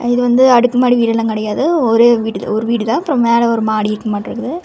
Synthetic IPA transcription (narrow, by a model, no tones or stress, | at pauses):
ɪðɯʋɐnd̪ɯɐɽɯkːɯmaːɽiʋiːʈɛlãːkɪɽɐjaːðɯɔɾeʋiːʈɯð̰ɔɾɯʋiːʈɯðãːɐpːɯɾɐ̃meːlɛɔɾɯmaːɽiɪɾɯkːɐmaːʈːɪɾɯkːɐðɯ